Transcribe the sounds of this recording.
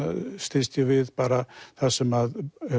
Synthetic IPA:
st̪ist̪əviðpaɾaθasəmað

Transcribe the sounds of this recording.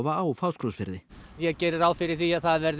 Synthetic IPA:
vaːwfaːwskɾowsfɪɾðɪjɛɣcɛːɾɪɾaːwfɪɾɪɾ̥θiaðθaðvɛɾð

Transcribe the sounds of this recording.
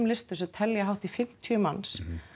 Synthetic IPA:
mlɪst̪ʏsɛðt̪ʰɛljaɦawht̪ifɪm̥t̪ʰjʏmans

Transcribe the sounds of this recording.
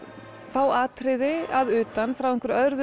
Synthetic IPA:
faːwaːt̪ʰɾɪðɪaðʏːt̪anfɾawɛhŋkʏɾœðɾð

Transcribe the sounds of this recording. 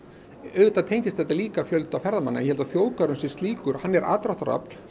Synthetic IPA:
œvɪt̪at̪ʰeːjɲcɪst̪θɛt̪ːaliːkafjœlt̪awfɛɾðamanːa̰jɛhɛlt̪aθjoːwkaɾʏnsɪ̥st̪liːkʏɾ̥hanːɛɾʔa̰ːt̪ɾaht̪aɾa̰pl̥

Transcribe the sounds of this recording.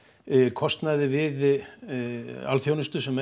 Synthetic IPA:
kʰɔst̪naðɪvɪð | a̰lθjownʏst̪ʏsɛm

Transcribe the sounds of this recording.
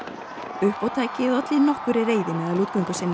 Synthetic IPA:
ʏhpawt̪ʰaːjcɪðat̪lɪnɔhkʏɾɪreːjðɪnaðaluːt̪kɔŋkʏsɪnːɪ

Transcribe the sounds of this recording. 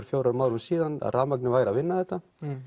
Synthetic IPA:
ɾ̥fjowɾamawɾhumsiːðana̰ðraːmaknɪvaːjɾavɪnːaθɛht̪ːa

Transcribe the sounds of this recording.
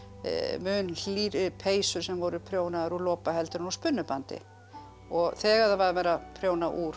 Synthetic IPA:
mʏːnl̥iːɾɪpʰeːjsʏɾ̥sɛmvɔɾʏpʰɾjoːwnaðaɾulɔːpaɦɛlt̪ɪɾnɔspʏnːʏpant̪ɪ̰ | ɔɣθɛːɣaðavaðmɛɾapʰɾjownaʔuːɾ

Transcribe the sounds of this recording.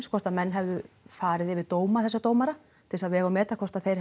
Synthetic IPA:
nskʰɔst̪amɛnːɦɛvðʏfaːɾɪðɪvɪðt̪oːwmaθɛsːat̪oːwmaɾa | t̪ʰɪlsavɛːɣawmɛːt̪akʰɔr̥t̪aθejɾ̥

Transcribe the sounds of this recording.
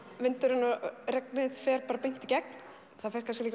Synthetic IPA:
vɪnt̪ʏɾɪnːaɾɛknɪðfɛːɾpaːɾapejn̥t̪icɛk̚n̥ | θaðfɛr̥kʰans̬cɪlik

